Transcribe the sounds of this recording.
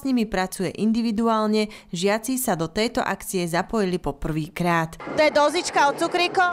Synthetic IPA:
sɲimipɾat͡sujɛʔind̪iʋid̪uaːlɲɛʒɪat͡sisad̪ɔt̪ɛjt̪ɔ̰ʔakt͡siɛzapɔjilipɔpr̩ʋiːkɾaːt̪t̪ɔjɛd̪ɔzit͡ʃkaɔtt͡sukɾikɔ

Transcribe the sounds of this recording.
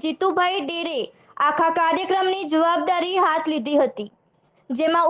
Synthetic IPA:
d͡ʒit̪ubʱaiɖiɾe | akʰakaɾjəkɾəmnid͡ʒəʋab̚d̪aɾiɦat̪ʰlid̪ʱiɦət̪i | d͡ʒemã

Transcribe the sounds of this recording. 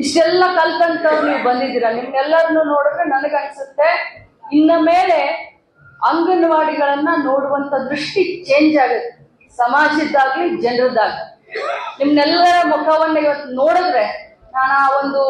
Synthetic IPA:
iʂʈɛlːɐkɐlt̪ɐnt̪ɐʋuniːʋubɐnd̪id̪iːɾɐnimnɛlːɐɾɐnːuːnoːɽud̪ɾenɐnɐɡeɐnsut̪ːe̞ | inːɐmeːle̞ | ɐŋɡɐnɐʋaːɽiɡɐɭɐnːɐnoːɽuʋɐnt̪ʰɐd̪ɾuʂʈit͡ʃe̞ːɲd͡ʒaːɡɐt̪ːe̥ | sɐmaːd͡ʒid̪ːaːɡlid͡ʒɛɳrɐd̪aːɡli | nimɐnɛlːɐɾɐmukʰɐʋɐnːɐiʋɐt̪ːunoːɽud̪ɾe̞ | naːnaːʋond̪u

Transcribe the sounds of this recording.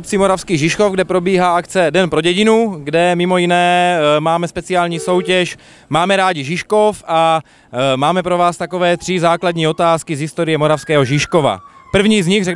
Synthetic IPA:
pt͡simo̞ɾafskiːɣʒɪʃko̞fɡdɛpɾo̞biːɦaːakt͡sɛdɛnpɾo̞ɟɛɟɪnuɡdɛmɪmo̞jinɛːmaːmɛspɛt͡sɪaːlɲiːso̞wcɛʃ | maːmɛɾaːɟɪʒɪʃko̞fa | maːmɛpɾo̞vaːst̪ako̞vɛːt̪r̥ɪzaːkladɲiːo̞t̪aːskizɦɪst̪o̞ɾɪjɛmo̞ɾafskɛːɦo̞ʒɪʃkova̰pr̩vɲiːzɲixrɛ

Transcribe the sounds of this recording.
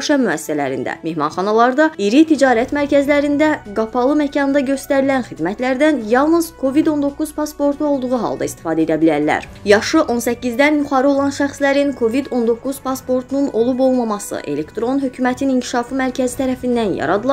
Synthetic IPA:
ʃɑmyæsi̥sælæ̰ɾḭnd̪æ̰me̞hmɑ̰nχɑnɑlˠɑɾd̪ɑiɾit̪ʰid͡ʒɑːɾæt̪mæɾcæzlæɾind̪æɡɑpʰɑlˠɯmæcʰɑnɯnd̪ɑɟø̞st̪æɾilænχid̪mæt̪læɾd̪ænjɑlˠnɯzkʰo̞vid̪o̞nd̪o̞kːuz̥pɑspo̞ɾt̪ʰuo̞lˠd̪uʁuɦɑ̰lˠd̪ɑist̪i̥fɑːd̪e̞d̪æbilæɾlæ̰ɾjɑʃɯʔo̞nsæcːizd̪ænjuχɑɾɯo̞lˠɑnʃæχslæɾinkʰo̞vid̪o̞nd̪o̞kʰːuz̥pʰɑspo̞ɾt̪ʰununo̞lˠubo̞lˠmɑmɑsɯ̰ʔe̞̰le̞kt̪ɾo̞nɦhø̞cʰymæt̪ʰiniŋcʰi̥ʃɑfɯmæɾcʰæzit̪ʰæɾæfind̪ænjɑ̰ɾɑd̪ɯlˠɑ

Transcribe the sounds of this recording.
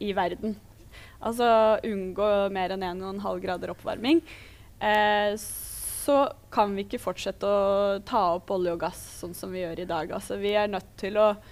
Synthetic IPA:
ɪʋæɾd̪n | ʔɑ̰ls̬ɔʔʉnɡoːmeːɾɛneːnɛnɦɑlːɡɾɑːd̪əɾɔpʰːʋɑ̰ɾmɪŋ | sɔkʰɑnʋɪɪkːəfɔʈʂɛt̪ːəɔt̪ʰɑːɔpːɔlːɪɔɡɑssɔnːsɔmʋɪjøːɾʔɪd̪ɑːɡɑ̰lsɔʋɪæɳœt̪ʰːɪlɔ

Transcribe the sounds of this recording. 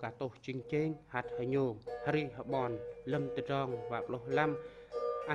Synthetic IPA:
kaːt̪oht͡ɕiŋt͡ɕeːŋhat̪̚həɲoːŋhɾiːɦəɓɑːnləmt̪ərɑːŋʋaːp̚lohlam | ʔa

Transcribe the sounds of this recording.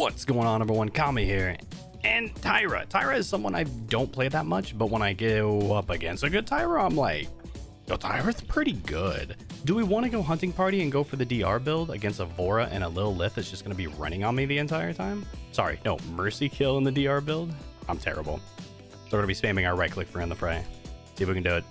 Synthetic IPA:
wʌtsɡ̥oʊɪ̃ŋə̃nːʌ̃mbə˞wʌ̃nkʰɑmihiɹ | ɨ̃ntʰaɪɹɨ̰tʰaɪɹɨɨz̥sʌ̃mwʌ̃na̰ɪdõʊ̃npʰl̥eɪðət̚mʌt͡ʃb̥ʌt̚wə̃ñaɪɡɪʌpɨɡɛ̰̃nsoʊɡʊd̚tʰaɪɹəãɪ̃mlaɪk̚ | noʊtʰaɪɹɨspʰɹ̥ɪɾiɡʊ̰d̥dəwiwɑ̃ñɨɡoʊɦʌ̃ntɪ̃ŋpʰɑɹɾiɨ̃nɡoʊfə˞ðɨdiɑ̰ɹbɪlˠdɨɡɛ̃nstəvɔɹəʔɨ̰̃ñəlɪɾl̩ˠlɪθɨtsd̥ʒ̥ʌsɡ̥ʌnəbiɹʌ̰̃ɾ̃ɪ̃ŋə̃nmiðiɨ̃ntʰaɪə˞tʰãɪ̃msɑ̰ɹḭnoʊmɜ˞sikʰɪlˠə̃nðɨdiɑɹbɪlˠd̥ãɪ̃mtʰɛ̰ɹɨ̰bl̩ˠ | sə˞ɡʌnəbispæ̃mɪ̃ŋəʊ˞ɹaɪkʰl̥ɪkfə˞ĩɨ̃nðəfɹeɪsiwikɨ̃n̩dʉɨt̚

